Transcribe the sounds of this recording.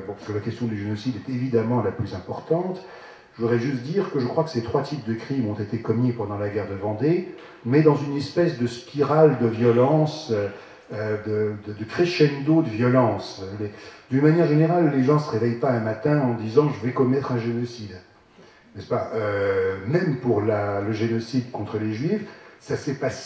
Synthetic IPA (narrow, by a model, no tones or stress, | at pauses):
bɔ̃pḁskəlakʲɛst̪jɔ̃d̪yʒenɔsid̪ɛt̪evid̪amɑ̃laplyzɛ̃pɔʁt̪ɑ̃t̪ | ʒəvud̪ʁɛʒyst̪̚d̪iːʁkəʒəkχwakə̥set̪χwat̪ʰip̚d̪əkχimɔ̃t̪et̪ekɔmipɑ̃d̪ɑ̃laɡʲɛʁd̪əvɑ̃d̪e | mɛd̪ɑ̃zynɛspɛsd̪əspiʁald̪əvjɔlɑ̃sø | ød̪əd̪əd̪əkχeʃɛnd̪od̪əvjɔlɑ̃sled̪ynmanjɛʁʒeneʁalːeʒɑ̃səʁevɛjpaɛ̃mat̪ɛ̃ɑ̃d̪izɑ̃ʒəvɛkɔmɛt̪χɛ̃ʒenɔsid̪ | nɛspaʔømɛmpuʁlaləʒenɔsid̪kɔ̃t̪χəleʒɥifsasɛpas